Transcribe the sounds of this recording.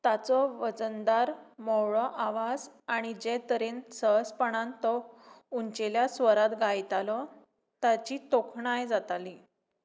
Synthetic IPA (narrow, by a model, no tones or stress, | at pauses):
t̪at͡sɔʋəd͡zənd̪aɾmɔɭɔʔaʋad͡zaɽ̃id͡ʑet̪əɾensəɦspəɳ̃ãnt̪ɔuɲt͡ɕeljasʋəɾat̪ɡʱajt̪alɔ | t̪at͡ɕiːt̪okʰɳajd͡zat̪ali